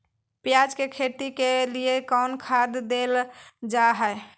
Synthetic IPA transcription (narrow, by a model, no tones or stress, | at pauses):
pjad͡ʒkekʰet̪ikeliekɔʊnkʰad̪d̪eld͡ʒaɦɛe